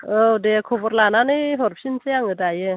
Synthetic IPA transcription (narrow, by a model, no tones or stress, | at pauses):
ɔdekʰɔbɔɾlananɯjɦɔɾpʰinsejaŋɯdajɯ